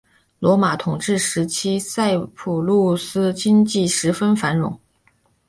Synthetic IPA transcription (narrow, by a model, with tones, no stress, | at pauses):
lwɔ˧˥ma˧˩t̪ʰʊ˨˩ŋʈ͡ʂɻ̩˥˩ʂɻ̩˧˥t͡ɕʰi˥sa˥˩ɪpʰu˨˩lu˥˩sɹ̩˥t͡ɕi˥ŋt͡ɕi˥˩ʂɻ̩˧˥fə˥nfa˧˥nɻʊ̰˧˥ŋ